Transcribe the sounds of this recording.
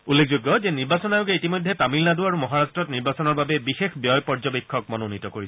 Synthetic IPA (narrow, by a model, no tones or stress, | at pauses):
ulːekʰzoɡːɔzɛniɹbasɔnajʊɡɛitimojdʱːɛtamilnaduaɹumɔɦaɹastɹɔtniɹbasɔnɔɹbabɛbixexbjɔjpɔɹd͡ʒɔbikʰːɔk̚mɔnonitɔkoɹisɛ